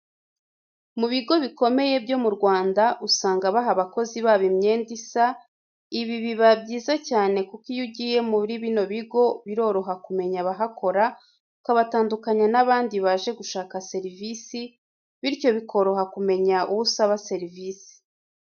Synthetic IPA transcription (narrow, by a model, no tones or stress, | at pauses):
muβiɡo̞βiko̞me̞je̞bjo̞muɾɡwaːndaʔusaːŋɡaβaɦaβako̞ziβaːβimɲe̞ːndisa | iβiβiβabɟiːzacaːne̞kukijuɟije̞muβiɾiβino̞βiɡo̞βiɾo̞ɾo̞ɦakume̞ɲaβaɦakʰo̞ɾa | ukaβataːndukaɲanaβaːndiβaʒe̞ɡuʃaːkase̞ɾivisi | βiɾjo̞βikʰo̞ɾoɦakume̞ɲaʔuβusaβase̞ɾivisi̥